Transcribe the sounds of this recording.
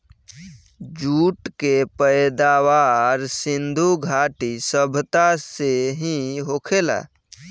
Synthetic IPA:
d͡ʒuːʈkepəjd̪aːwaːɾsɪ̃nd̪ʱuɡʱaːʈisəbʱt̪aseɦĩɦoːkʰela̰ː

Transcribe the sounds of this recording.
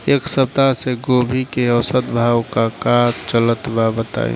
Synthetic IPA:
eːksəp̚t̪aseɡoːbʱikeɔsət̪bʱaːwkakaːtt͡ʃələt̪babət̪a̰ːḛ

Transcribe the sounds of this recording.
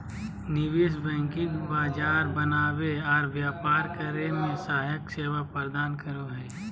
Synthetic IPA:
nɪʋɪsbɛ̃ːŋkɪ̃kbaːd͡ʒaːɾbənaːweɔːɾʋjaːpaːɾkəɾemẽsaːjəkseːwapɾd̪aːnkəɾoɦɛː

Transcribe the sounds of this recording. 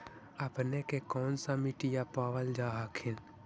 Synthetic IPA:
əpnekekɔːnsamiʈijapaːʋəld͡ʒaːɦakʰɪn

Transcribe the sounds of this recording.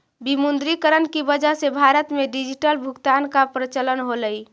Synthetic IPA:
bimund̪ɾikəɾənkibəd͡ʒaɦsebʱaɾət̪meɖid͡ʒiʈəlbʱukt̪ankapɾət͡ʃələnɦoləi

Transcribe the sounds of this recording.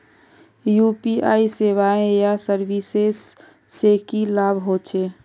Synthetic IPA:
jupiʔaːiseʋaẽjasəɾbisesː | ekilabʱɦot͡ʃʰe

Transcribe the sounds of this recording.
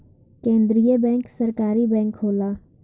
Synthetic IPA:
kẽːnd̪ɾijəbɛ̃ːŋksəɾkaːɾibɛ̃ːŋkɦoːlaː

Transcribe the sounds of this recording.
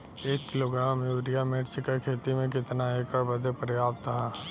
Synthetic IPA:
eːkːɪloɡɾaːmjuːɾijameʈt͡ʃkakʰeːt̪imẽk̬ɪt̪naɦeːkəɾbəd̪ʱepəɾjaːbt̪əɦaː

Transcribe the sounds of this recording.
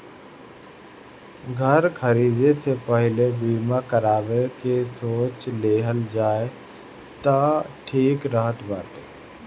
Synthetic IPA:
ɡʱəɾkʰəɾiːd̪esepɛɦlebiːmakəɾaːbekesoːt͡ʃleːɦəld͡ʒaːe | t̪aʈʰiːkɾəɦət̪baːt̪eː

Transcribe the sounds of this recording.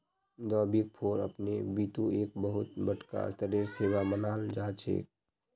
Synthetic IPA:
d̪ɔːbik̚pʰoːɾə̰pnebiːt̪ũeːk̚bəɦʊt̪bəʈka̰t̪əɾeːɾseːwamənaːld͡ʒaːt͡ʃʰḛːk̚

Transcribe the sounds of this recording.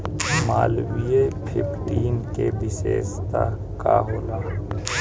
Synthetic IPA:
maːlwijepʰɪpʰʈiːnkebɪsḛːst̪a | ka̰ɦoːlaː

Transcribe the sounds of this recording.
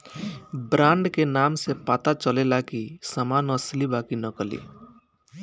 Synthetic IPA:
bɾãːɳɖkenaːmsepaːt̪at͡ʃəlelakisəmaːnəslibakinəkəlḭ

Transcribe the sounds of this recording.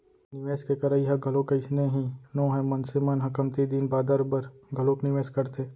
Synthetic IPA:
nɪʋeːskekɐɾəiɦɐɡʱɐlõkɐɪsneɦĩnõːɦɛ̃mɐnsɪmanɦɐkəmt̪id̪inbaːd̪aɾbɐɾɡʱɐlõknɪʋeːskɐɾt̪ʰeː

